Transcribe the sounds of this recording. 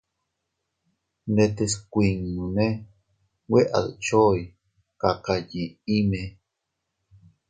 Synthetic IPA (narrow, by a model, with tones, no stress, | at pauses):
ne˧t̪e˧skʷi˧ŋnũ˨ne˦ | we˦ʔa̰˨ðt͡ʃo˦j | kaqaji˨i˦me